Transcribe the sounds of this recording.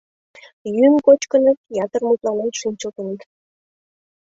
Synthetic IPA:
jymkot͡ɕkə̆nəkjɑt̪ərmut̪lɑnenʃinʲt͡ɕəlt̪ə̆nik̪

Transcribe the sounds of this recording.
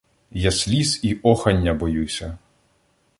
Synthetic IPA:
jasʲlʲiziʔɔxɐnʲːɐbɔjusʲɐ

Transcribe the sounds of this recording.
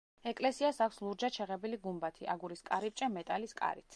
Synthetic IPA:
ɛkʼlɛsiasakʷʰslˠuɾd͡ʒat͡ʃʰɛʁɛbiliɡumbat̪ʰiʔa̰ɡuɾiskʼaɾip̚t͡ʃʼɛmɛt̪ʼaliskʼa̰ɾit̪sʰ

